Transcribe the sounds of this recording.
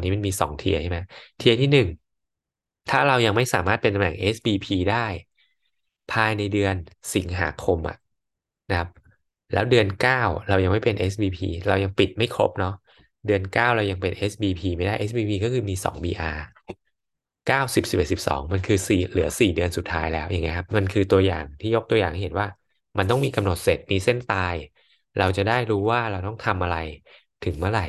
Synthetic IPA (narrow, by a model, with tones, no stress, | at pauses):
niː˦˥ma˧nmiː˧sɔ̰ː˩˦ŋt̪ʰi˧ɐt͡ɕʰa˥˩jma˦˥jt̪ʰi˧ɐt̪ʰiː˥˩nɯ˨˩ŋ | t̪ʰaː˥˩ɾa˧wja˧ŋma˥˩jsaː˩˦maː˥˩pe˧nt̪a˧mnɛ̰˨˩ŋʔe˦˥sbiː˧pʰiː˧daː˥˩j | pʰaː˧jna˧jdɯ˧ənsi˩˦ŋɦa̰ː˩˦kʰo˧mʔa̰˨˩ʔ | na˦kʰa˦˥p̚ | lɛ̰ː˦˥wdɯ˧ənkaː˥˩wɾa˧wja˧ŋma˥˩jpe˧nʔe˦˥s̚biː˧pʰḭː˧ɾa˧wja˧ŋpi˨˩t̪̚ma˥˩jkʰo̰˦˥p̚nɔ˦˥ʔ | dɯ˧ənkaː˥˩wɾa˧wja˧ŋpe˧nʔe˦˥sbiː˧pʰiː˧ma˥˩jdaː˥˩ʔe˦˥sbiː˧pʰiː˧kɔː˥˩kʰɯː˧miː˧sɔ̰ː˩˦ŋbḭː˧ʔaː˧ | kaː˥˩wsi˨˩p̚si˨˩p̚ʔe˨˩t̪̚si˨˩p̚sɔ̰ː˩˦ŋma˧nkʰɯː˧siː˨˩lɯ˩˦ɐsiː˨˩dɯ˧ənsu˨˩t̪ʰːaː˦˥jlɛː˦˥wja˨˩ŋi˦˥kʰa˦˥p̚ma˧nkʰɯː˧t̪u˧ɐja̰ː˨˩ŋt̪ʰiː˥˩jo˦˥k̚t̪u˧ɐjaː˨˩ŋʰa˥˩he˩˦nwaː˥˩ | ma˧nt̪ɔ˥˩ŋmiː˧ka˧mno˨˩t̪̚se˨˩t̪̚niː˦˥se˥˩nt̪aː˧j | ɾa˧wt͡ɕa˨˩daː˥˩jɾuː˦˥waː˥˩ɾa˧wt̪ɔ˥˩ŋt̪ʰa˧mʔa˧ɾa˧j | t̪ʰɯ˩˦ŋmɯ˥˩ɐɾa˨˩j